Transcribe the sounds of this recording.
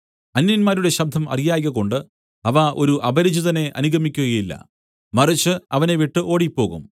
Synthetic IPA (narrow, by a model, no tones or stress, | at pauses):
ɐnjɐnmaːɾuɽe̞ɕɐb̚d̪ʱɐmɐ̰rijaːɣɐɣo̞ɳɖɨ | ɐʋɐʔo̞ɾuʔɐbɐɾid͡ʑuðɐne̞ʔɐ̰nuɡʱɐmikʲːuɣɐjilːɐ̰ | mɐrit͡ɕːɨɐʋɐneʋiʈːɨʔo̞ːɽipːo̞ːɣṵm